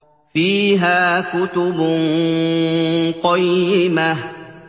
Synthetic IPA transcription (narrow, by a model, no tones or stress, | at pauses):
fiːɦaːkʊt̪ʊbʊn | qɔjːɪmah